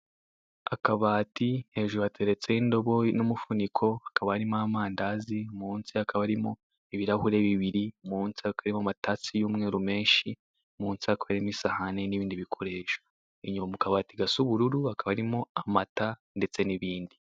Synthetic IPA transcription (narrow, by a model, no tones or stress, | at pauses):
a̰kaβaːtihe̞ʒuɾuatʰe̞ɾe̞t͡se̞indo̞βo̞numufunikʰo̞hakaβahaɾimamaːndazimuːnsiakʰaβaɾimo̞ | eβiɾahuɾe̞βiβiɾimuːnsiakaɾimoamataːt͡sijuːmŋeːɾume̞ːnʃi | muːnsiakaβaɾimisahaneniβiːndiβikʰo̞ɾe̞ːʃḁ | iɲumamukaβaːtiɡasuβuɾuɾuakaβaaɾimoamata | nde̞t͡se̞niβiːndi